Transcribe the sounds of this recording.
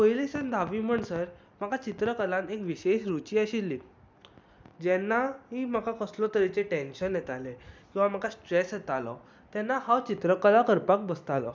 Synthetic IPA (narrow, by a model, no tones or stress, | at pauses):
kəjlesənd̪ʱaʋiːm̤əɳsəɾ | makat͡ɕit̪ɾəkəlãnekʋiɕeɕɾut͡ɕiːaɕilːiː | d͡ʑɛnːaɦiːm̤akakəslɔt̪əɾit͡seʈẽnɕənjɛt̪alekĩw̃ʋam̤akasʈɾesɦet̪alɔ | t̪jɛnːahawt͡ɕit̪ɾəkəlakəɾpak̚bəst̪alɔ̰